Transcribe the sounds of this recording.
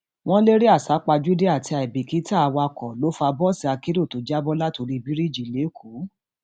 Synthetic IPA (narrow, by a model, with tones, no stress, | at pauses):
w̃ɔ̃˦le˦ɾi˦a˦˨sa˨˦k͡pa˧d͡ʒu˦de˦a˦˨ti˧a˨i˨bi˨ki˨˦ta˦˨a˨˧wa˧kɔ˨lo˨˦fa˧bɔ˦si˦a˧ke˦ɾo˦˨to˨˦d͡ʒa˦bɔ˦la˦to˧ɾi˦˧bi˦ɾi˦˨d͡ʒi˨le˨˦kʰu˨˦